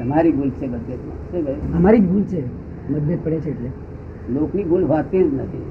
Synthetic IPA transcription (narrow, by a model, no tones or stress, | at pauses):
əmaɾiːɡʱult͡sebəd̪ːjət̪ma̰seɡəɦəmaɾiːɡʱult͡se | məd̪ʱjət̪̚pəɽet͡ɕʰeːʈle | lokniɡulɦat̪ẽd͡znət̪ʰḭ